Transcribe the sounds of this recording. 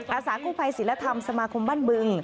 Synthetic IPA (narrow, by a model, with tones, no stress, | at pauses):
ʔʔaː˧˩saː˩˦kʰuː˥˩fʰa˧jsi˨˩˦la˧˥t̪ʰa˧msa˧maː˧kʰo˧mɓaː˥˩nɓɨ˧˩ŋ